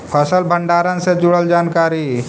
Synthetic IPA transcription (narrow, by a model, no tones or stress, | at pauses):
pʰəsəlbʱəɳɖaːɾənsed͡ʒʊɽəld͡ʒaːnkaːɾi